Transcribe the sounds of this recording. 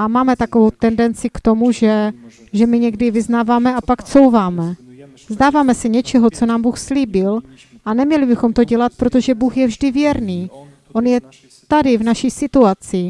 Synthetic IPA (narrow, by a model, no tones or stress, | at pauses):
ʔamaːmɛt̪akovowt̪ɛndɛnt͡sɪkt̪o̞muʒɛ | ʒɛmɪɲɛɡdɪvɪznaːvaːmɛapakt͡so̞wvaːmɛ | zdaːvaːmɛsɛɲɛt͡ʃɛɦot͡so̞naːmbuːxsliːbɪl | ʔanɛmɲɛlɪbɪxo̞mt̪o̞ɟɛlat̪̚pɾo̞t̪oʒɛbuːxjɛvʒdɪvjɛɾniː | ʔo̞njɛ | t̪adɪvnaʃiːsɪt̪uat͡sɪ